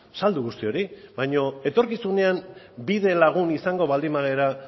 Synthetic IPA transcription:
sald̪uɣust̪io̞ɾibaɲo̞e̞t̪o̞ɾkisune̞am | biðe̞laɣ̞unisaŋɡo̞βald̪imaɣe̞ɾa

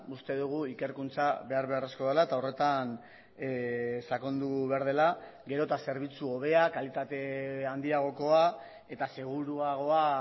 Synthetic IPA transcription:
ust̪e̞ðuɣ̞uike̞ɾkunt͡saβe̞aɾβ̞e̞aresko̞ðelaet̪ao̞re̞t̪an | sako̞nd̪uβ̞aɾð̞e̞la | ɡe̞ɾo̞t̪ase̞ɾβ̞it͡suo̞β̞e̞akalit̪at̪e̞and̪iaɣ̞o̞ko̞a | e̞t̪ase̞ɣ̞uɾuaɣ̞o̞a

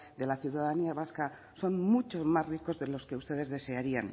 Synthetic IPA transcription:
d̪e̞laθjuwðaðaniaβaska | so̞nmut͡ʃo̞zmazriko̞zðe̞lo̞ske̞ust̪e̞ð̞e̞zðe̞se̞aɾian

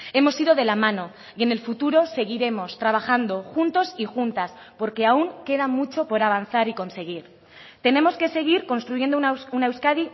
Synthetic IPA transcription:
e̞mo̞siðo̞ð̞e̞lamãno̞ | ie̞ne̞lfut̪uɾo̞se̞ɣ̞iɾe̞mo̞st̪ɾaβ̞axand̪o̞xunt̪o̞sixunt̪as | po̞ɾke̞auŋke̞ðamut͡ʃo̞po̞ɾaβ̞anθaɾiko̞nse̞ɣ̞iɾ | t̪e̞ne̞mo̞ske̞se̞ɣ̞iɾko̞nst̪ɾuʝe̞nd̪onune̞wskaði

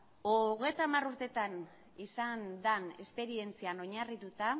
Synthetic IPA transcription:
oɣ̞e̞jt̪amaruɾt̪e̞t̪an | isand̪ane̞spe̞ɾie̞nt͡siano̞ɲarit̪ut̪a

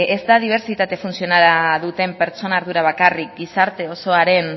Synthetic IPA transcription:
ezd̪aðiβ̞e̞ɾt͡sit̪at̪e̞funsio̞naɾaðut̪e̞mpe̞ɾt͡so̞naːɾðuɾaβ̞akarik̚ɡisaɾt̪e̞o̞so̞aɾe̞n

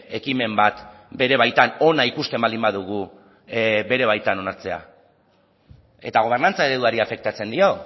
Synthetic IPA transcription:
e̞kime̞mbat̪ | be̞ɾe̞β̞ajt̪ano̞naikust̪e̞mbalimbaðuɣu | be̞ɾe̞β̞ajt̪ano̞naɾt͡se̞a̰ | e̞t̪aɣ̞o̞β̞e̞rnant͡saeɾe̞ðuaɾiafe̞k̚t̪at͡se̞nd̪io̞

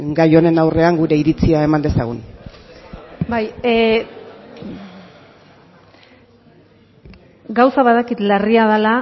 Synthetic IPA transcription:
ɡajo̞ne̞nawre̞aŋɡuɾe̞iɾit͡siae̞mand̪e̞saɣ̞un | baj | ɡawsaβaðakit̪lariað̞ala

